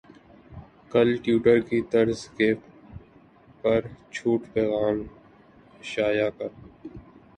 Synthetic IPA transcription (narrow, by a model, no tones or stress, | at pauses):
kɐlʈjuːʈəɾkit̪ɐɾzkeː | pɐɾt͡ʃʰuːʈpɛːɣaːm | ʃaːjakɐɾ